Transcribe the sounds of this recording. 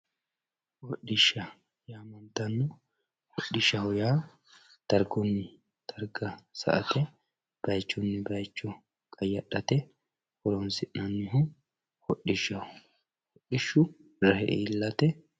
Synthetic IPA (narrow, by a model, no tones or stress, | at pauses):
wɔɗɪʃːɐ | jaːmɐnt̪ɐnːɔ | hɔɗːɪʃɐhʊjaː | t̪ɐɾɡɔnːɪ | t̪ʰɐɾɡɐsɐ̰ʔɐt̪ɛ | b̥ɐjt͡ʃːʊnːɪbɐjt͡ʃːɔ | kʼɐjːɐɗɐt̪ɛ | wɔɾɔnsɪʔnɐnːɪɦʊ | hɔɗːɪʃɐʊ | hɔɗɪʃːʊ | ɾɐhɛʔɛ̰ɪlːɐt̪ɛ